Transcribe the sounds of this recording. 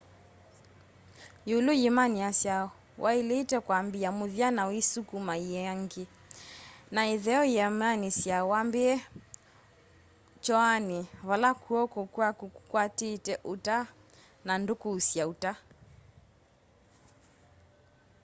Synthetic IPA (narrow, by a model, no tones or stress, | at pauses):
julujimaniasja | wʔailitɛkwambiamuðianawisukumaiɛaŋɡi | naiðɛɔjɛmanisjawambiɛ | t͡ʃɔaniβalakuɔkɔkuakukukwatitɛʔuta | nandukuːsiauta